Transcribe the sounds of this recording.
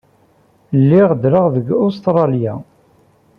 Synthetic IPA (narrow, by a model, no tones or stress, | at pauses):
lːɪʁd̪ɾəʁðəɡʊst̪ɾˤɑlja